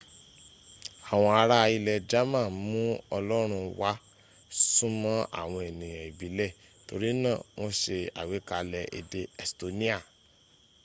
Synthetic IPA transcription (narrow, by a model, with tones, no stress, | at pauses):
a˨w̃ɔ̃˧a˧ɾa˦˧i˧lɛ˧d͡ʒa˦mã˦˨mũ˦ɔ˧lɔ˦ɾ̃ũ˧wa˦ | sũ˦mɔ̃˦a̰˦˨w̃ɔ̃˧e˨nĩ˨jã˨i˨bi˨˦lɛ˦˨ | to˧ɾi˦nã˦˨w̃ɔ̃˧ʃe˧a̰˨we˨˦ka˧lɛ˧ʔḛ˧de˧ɛ˨sto˨nĩ˦a˦˨